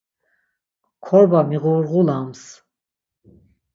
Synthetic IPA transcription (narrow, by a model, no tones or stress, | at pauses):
kʰɔɾbamiʁuɾʁulams